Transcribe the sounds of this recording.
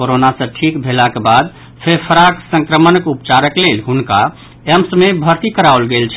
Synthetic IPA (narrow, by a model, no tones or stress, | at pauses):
koɾonasə̃ʈʰikbʱelakebad̪ | pʰepʰəɾaksə̃ŋkɾəmənəkupt͡ʃaɾəklelɦunka | emsmebʱəɾt̪ikəɾaolɡelt͡ʃʰ